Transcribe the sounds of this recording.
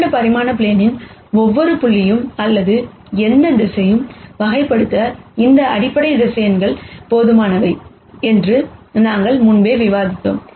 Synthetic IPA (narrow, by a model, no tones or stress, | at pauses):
ɐpɐɾɪmaːnɐp̬ɭeːnɪnɔʋːɔɾɯpʊɭːɪjɯmɐlːɐðɯ | ɛnd̪ɐd̪ɪsɐjɯmʋɐɣɐɪpːɐɽɯt̪ːɐɪnd̪ɐɐɽɪpːɐɽɐɪɾɪsɐjɐnɡɐɭpoːðɯmaːnɐʋɐɪ | ɛndrɯnaːŋɡɐɭmʊnbeːʋɪʋaːðɪt̪ːo̰ːm